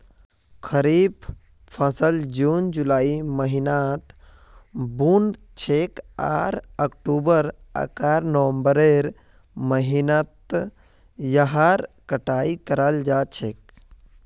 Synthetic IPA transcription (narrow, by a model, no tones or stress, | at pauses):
kʰəɾiːb | pʰəsəld͡ʒuːnd͡ʒulaːiməɦinat̪ | bun | t͡ʃʰeːka̰ːɾəkʈuːbəɾə̰kaːɾnəʋəmbəɾeɾ | məɦinat̪ | jaɦaɾkəʈaːikəɾald͡ʒaːt͡ʃʰeːk̚